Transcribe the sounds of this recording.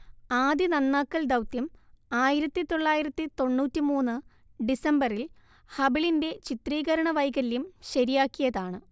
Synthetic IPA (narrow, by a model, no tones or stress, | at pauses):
aːd̪jinɐnːaːkːɐld̪ɐwt̪jɐmaːjiɾɐt̪ːit̪o̞ɭːaːjiɾɐt̪ːit̪o̞ɳːuːtːimuːnːɨ | ɖisɐmbɐril | hɐbiɭinde̞t͡ɕit̪riːɣɐɾɐɳɐʋɐjɣɐljumɕɐɾijaːkːijɐðaːɳɨ